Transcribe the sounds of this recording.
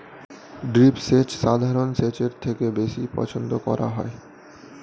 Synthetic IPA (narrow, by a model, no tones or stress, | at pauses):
ɖɾipset͡ɕʃad̪ʱaɾonset͡ɕeɾt̪ʰekebeʃipɔ̰t͡ɕʰond̪okɔ̰ɾa̰ɦɔe